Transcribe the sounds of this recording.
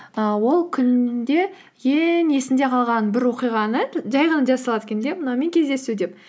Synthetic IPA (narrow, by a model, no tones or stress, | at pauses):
əwo̞lˠkʲʰʏnd̪e̞ | jeŋe̞sɪnd̪e̞qʰɑlˠʁɑnbɪɾwo̞qijʁɑnəʒɑjʁənəd͡ʒɑsɑlˠɑd̪kʲʰend̪emənɑwme̞ŋkʲʰe̞zd̪e̞sud̪e̞p̚